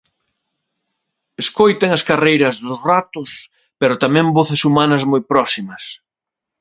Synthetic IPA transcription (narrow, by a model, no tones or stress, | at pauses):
eskojt̪eŋɐskarejɾɐzðʊsrat̪ʊs | peɾʊt̪amɛ̃mboθɪsumanɐzmojpɾɔsimɐs